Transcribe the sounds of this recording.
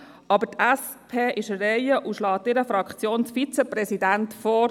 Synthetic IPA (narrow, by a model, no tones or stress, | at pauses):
ɑbətʰɛs | pʰeːʔɪʃərɛɪəʔuʃlɑːt̪ɪɾəfɾɑkχt͡sjoːnsfit͡sɛpɾɛsidæntfɔː